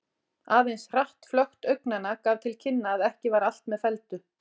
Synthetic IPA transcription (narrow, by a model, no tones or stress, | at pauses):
aːvejnsr̥aht̪flœxt̪œɥknanakaːvt̪ʰɪlcʰɪnːaːðɛhcɪvaːɾal̥t̪mɛðfɛlt̪ʏ